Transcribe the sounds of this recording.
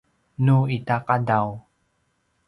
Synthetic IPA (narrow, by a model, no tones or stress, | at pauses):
nuitaqadaw